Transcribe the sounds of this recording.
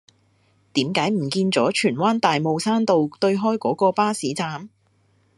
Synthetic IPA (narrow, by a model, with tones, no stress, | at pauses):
t̪iː˨˥mkaː˨˥jm̩˨˩kiː˧nt͡sɔː˨˥t͡ʃʰyː˨˩nwaː˥nt̪aː˨jmo˨˧wsaː˥nt̪o˨wt̪ɵ˧ɥɦɔː˥jkɔː˨˥kɔː˧paː˥siː˨˥t͡saː˨˥m